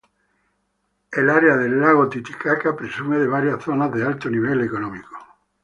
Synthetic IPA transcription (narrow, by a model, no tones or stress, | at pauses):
elaɾeaðelːaɣ̞ot̪it̪i̥kakapɾesumeðeβ̞aɾjasθonazðealt̪oniβ̞elekonõmiko̥